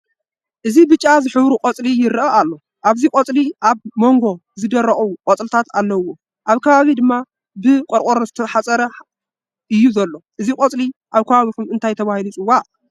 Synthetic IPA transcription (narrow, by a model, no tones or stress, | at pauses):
ʔɨzibɨt͡ʃʼːazɨħɨβɾukʼɐt͡sʼlijɪɾɨʔɐalːo | ʔaβzikʼot͡sʼliʔaβmo̞ŋɡo̞zɨd̪ɐɾɐχʼukʼot͡sʼlɨt̪ʰat̪ʰalːɐwːo | ʔaβkʰɐβaβid̪ɨmːa | bɨkʼoɾkʼoɾozɨt̪ʰɐħat͡sʼɐɾɐ | ʔɨjːuzɐlːo̞ʔɨzikʼot͡sʼliʔaβkʰɐβaβikʰumɨnt̪ʰajt̪ʰɐβahilut͡sʼɨwa